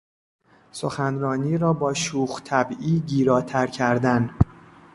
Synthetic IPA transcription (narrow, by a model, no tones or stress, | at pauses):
soxænɾɒːniːɾɒːbɒːʃuːxt̪ʰæbiːɟiːɾɒːt̪ʰæɾcʰæɾd̪æn